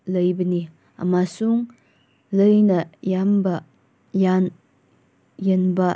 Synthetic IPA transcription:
ləjbɐni | ɐ̰masuŋ | ləjnɐjambɐ | jan | jenbɐ

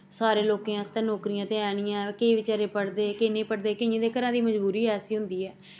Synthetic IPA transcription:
saːɾeːloːkẽːəst̪ẽːnɔːkɾijãːt̪ẽːɛːɽ̃ɪjãːkəiːʋɪt͡ʃaːɾeːpəɽd̪eːkɪnẽːpəɽd̪eːkɪẽːd̪eːkəɾãːd̪iːməd͡ʒbuːɾiːɛːsiːɦʊ̃nd̪iːɦɛː

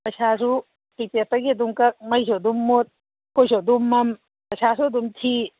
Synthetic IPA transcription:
pɐjsas̬u | kitetɐɡiɐduŋkɐk̚mɐjs̬odumːot̪̚ | kojsodumːɐm | pɐjsasuɐdumtʰi

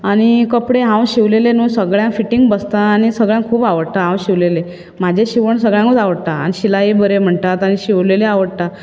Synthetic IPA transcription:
aɽ̃ikəpɽeɦãwɕiʋlelenuːsəɡɭjãŋfiʈiŋɡbəst̪aːñisəɡɭjãŋkʰuːpaʋəɽt̪aɦãwɕiʋlele | m̤ad͡ʑʱeɕiʋəɳsəɡɭjãŋkot͡saʋəɽt̪aa̰niɕilaibəɾem̤əɳt̪at̪añiɕiʋleleaʋəɽt̪a

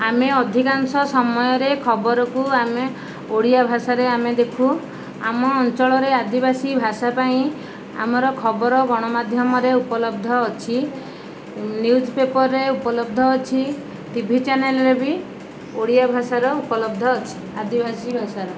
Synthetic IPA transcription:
ameɔd̪ʱikansɔsɔmɔjɔɾekʰɔbɔɾɔkuame | oɽijabʱasaɾeamed̪ekʰu | a̰mɔːnt͡ʃɔɭɔɾead̪ibasibʱasapaĩ | a̰mɔɾɔkʰɔbɔɾɔɡɔɽ̃ɔmad̪ʱjɔmɔɾeupɔlɔb̚d̪ʱɔːt͡ʃʰi | njud͡ʒpepɔɾːeupɔlɔbd̪ʱɔːt͡ʃʰi | t̪ibʱit͡ʃanelɔɾebi | oɽijabʱasaɾɔupɔlɔbd̪ʱɔːt͡ʃʰi̥ | ad̪ibʱasibʱasaɾɔ

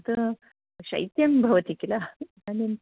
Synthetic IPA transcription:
t̪ə | ɕɐ̰jt̪jɐmbʱɐʋət̪ikila | ani

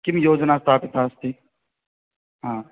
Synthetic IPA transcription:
kɪmjoːd͡ʒnaːst̪aːpet̪ʰaːst̪ʰiː | ɦãː

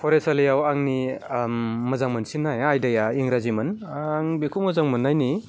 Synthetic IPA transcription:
pʰɔɾesalijawaŋniː | ɐzaŋmɐnsinːajajdajaiŋɾazimɐnːŋbikʰumɐzaŋmɯnːajni

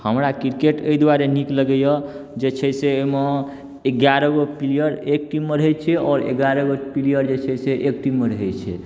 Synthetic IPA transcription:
həmɾakiɾkeʈəjd̪waɾenikləɡəjəd͡ʒet͡ʃʰɛseome | eɡjaɾəɡopilijəɾek̚ʈimːeɾəɦɛt͡ʃʰɛɔːɾḛɡaɾəɡopilijəɾd͡ʒet͡ʃʰɛseʔek̚ʈimːeɾəɦɛt͡ʃʰɛ̰

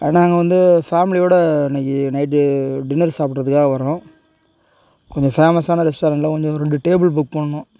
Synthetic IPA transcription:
naːŋɡɐʋɐnd̪ɯfaːmɪlɪjoːɽɐɪnɐkːɯnɐɪʈ̬ːɯɖɪnɐɾsaːpɪʈɾɐðɯkːaːɣɐʋɐɾõː | kɔɲd͡ʒɔ̃feːmɐsaːnɐɾɪsʈɐɾɐnlɐkɔɲd͡ʒɔ̃ɾɛɳɖɯʈeːbɪɭbʊkːpɐɳːɐɳõː

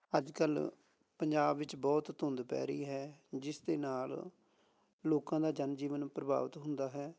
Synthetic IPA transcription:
əd͡ʒkəl | pəɲd͡ʒaːbʋɪt͡ʃbɔːt̪ːʊnd̪pɛ̰ːɾiːɦɛːd͡ʒɪsd̪eːnaːl | loːkãːd̪aːd͡ʒənd͡ʒiːʋənpɾəba̰ːʋət̪ɦʊnd̪aːɦɛː

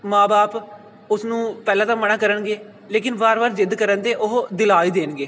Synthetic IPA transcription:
mãːbaːp | ʊsnũːpɛːlãːt̪ãːmənaːkəɾəɳɡeː | leːkɪnbaːɾʋaːɾd͡ʒɪd̪kəɾənd̪eːʔʊɦd̪ɪlaːiːd̪eːnɡeː

